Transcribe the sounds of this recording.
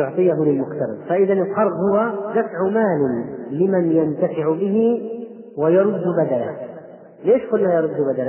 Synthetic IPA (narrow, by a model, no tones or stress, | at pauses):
ʊʕt̪ˤɨjaɦʊlɪlmʊxt̪ɑɾˤɪ̰d̪faʔɪðanɪlqɑɾˤɣhʊwad̪afʕʊmaːlɪlɪmanjant̪afɪʕbɪɦɪ | wɪjɑɾˤʊd̪ːʊbad̪alah | leːʃkʊlːajɑɾˤʊd̪ːbad̪ala